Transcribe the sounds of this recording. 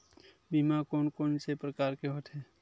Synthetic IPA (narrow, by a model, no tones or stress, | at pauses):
bimakoːnkoːnsepɾəkaːɾkeɦoʈ̪ʰɦɛː